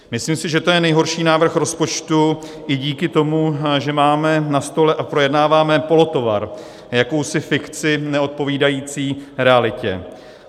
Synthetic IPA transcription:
mɪsliːmsɪʒɛt̪o̞jɛnɛjɦo̞ɾʃiːnaːvr̩xɾo̞spo̞t͡ʃt̪u | ʔɪɟiːkɪt̪o̞muʒɛmaːmɛnast̪o̞lɛʔapɾo̞jɛdnaːvaːmɛpo̞lo̞t̪o̞va̰ɾ | jako̞wsɪfɪkt͡sɪnɛo̞t̪̚po̞viːdajiːt͡siːɾɛalɪcɛ̰

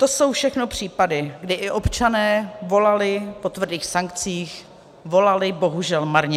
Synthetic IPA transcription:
t̪o̞so̞wfʃɛxno̞pr̝̥iːpadɪɡdɪʔɪʔo̞pt͡ʃanɛːvo̞lalɪpo̞t̪vr̩diːxsaŋk̚t͡siːx | vo̞lalɪbo̞ɦuʒɛlmaɾɲɛ

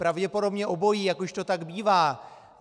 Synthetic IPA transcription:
pɾavɟɛpo̞do̞bɲɛʔo̞bo̞jijakoʃt̪o̞t̪aɡbiːvaː

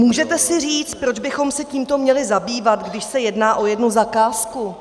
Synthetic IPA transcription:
muːʒɛt̪ɛsɪr̝iːt͡st̪̚pɾod͡ʒbɪxo̞msɛciːmt̪o̞mɲɛlɪzabiːvat̪ɡdɪʃsɛjɛdnaːʔo̞jɛdnuzakaːsku

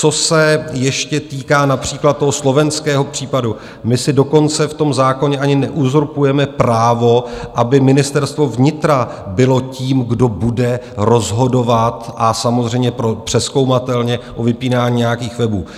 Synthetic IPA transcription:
t͡so̞sɛjɛʃcɛt̪iːkaːnapr̝̥iːklat̪̚t̪ːo̞ɦoslo̞vɛnskɛːɦo̞pr̥iːpadu | mɪsɪdo̞ko̞nt͡sɛft̪o̞mzaːko̞ɲɛʔaɲɪnɛʔuzoɾpujɛmɛpɾaːvo̞ʔabɪmɪnɪst̪ɛɾst̪vo̞vɲɪt̪ɾa | bɪlo̞ciːmɡdo̞budɛɾo̞zɦo̞do̞vat̪ʔasamozr̝ɛjmɲɛpɾopr̥ɛsko̞wmat̪ɛlɲɛʔovɪpiːnaːɲiːɲejakiːxvɛbuː

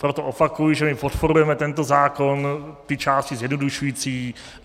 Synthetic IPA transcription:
pɾot̪oʔopakujiʒɛmɪpot̪po̞ɾujɛmɛt̪ɛnt̪o̞zaːko̞nt̪ɪt͡ʃaːscizjɛdnoduʃujit͡siː

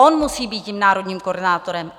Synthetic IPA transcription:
onmusiːbiːt̪ciːmnaːɾo̞dɲiːmkorɾdɪnaːt̪o̞ɾɛm

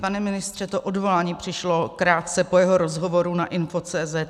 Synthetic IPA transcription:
panɛmɪnɪst̪r̥ɛt̪oʔodvo̞laːɲiːpr̝̥ɪʃlokɾaːt̪̚t͡sɛpojɛɦo̞ɾozɦo̞vo̞ɾunaʔɪnfot͡sɛːzɛt̪

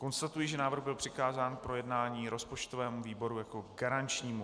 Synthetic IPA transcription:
ko̞nst̪at̪ujɪʒɛnaːvr̩ɣbɪlpr̥ɪkaːzaːnpɾo̞jɛdnaːɲiːɾo̞spo̞t͡ʃt̪o̞vɛːmuviːbo̞ɾujako̞ɡaɾant͡ʃɲiːmu

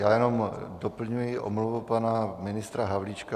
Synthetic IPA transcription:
jaːjɛno̞mdopl̩ɲujɪʔo̰mluvupanamɪnɪst̪ɾaɦavlit͡ʃka

